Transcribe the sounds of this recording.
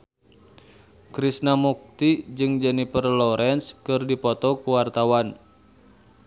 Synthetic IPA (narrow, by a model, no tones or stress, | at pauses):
kɾisnamuk̚t̪id͡ʒɨŋd͡ʒənipərlɔɾʔɛnskɨrdipɔt̪ɔkuwart̪awan